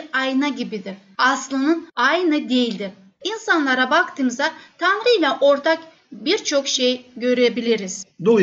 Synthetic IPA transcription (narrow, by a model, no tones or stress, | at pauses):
ajɯnaɟibid̪iɾ | aslˠɯnɯnajnɯd̪e̞jilʲd̪i | insanlˠaɾabakt̪ʰɯmɯzat̪ʰanɾɯjlʲɛʔo̞ɾt̪ʰak | biɾt͡ʃʰo̞kʃejɟø̞ɾebilʲiɾiz̥d̪o